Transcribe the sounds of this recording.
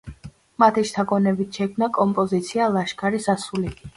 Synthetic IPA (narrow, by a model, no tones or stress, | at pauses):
mat̪ʰiʃt̪ʰakʼɔnɛbit̪ʰʃɛkʰmnakʼɔmpʼɔzit̪sʰialˠaʃkʰaɾisasuli